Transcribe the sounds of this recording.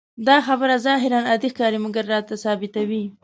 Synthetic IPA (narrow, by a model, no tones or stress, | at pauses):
d̪ɑxabəɾazɑɦɪɾɑnad̪ixkɑɾimʊɡaɾːɑt̪asɑbɪt̪awi